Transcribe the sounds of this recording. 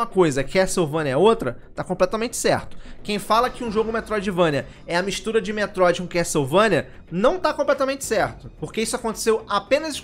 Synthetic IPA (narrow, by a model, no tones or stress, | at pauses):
ɐkojzɐkɪɛsewvɐ̃nʲɐɐot̪ɾɐt̪akõplɛt̪ɐmẽnt͡ʃɪ̥sɛɾt̪ʊ̥kẽj̃falɐkɪũʒoɡʊmet̪ɾɔd͡ʒɪvɐ̃niɐ | ɛɐmiʃt̪uɾɐd͡ʒɪmet̪ɾɔd͡ʒɪkũkɪɛsewvɐ̃nʲɐ | nɐ̃w̃t̪akõplɛt̪ɐmẽnt͡ʃɪ̥sɛɾt̪ʊpoɾkeisʊakõt̪e̥sewapẽnɐzɪʃ